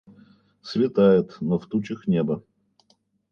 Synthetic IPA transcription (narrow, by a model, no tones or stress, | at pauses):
svʲɪt̪ajɪt̪noft̪ut͡ɕɪxnʲebə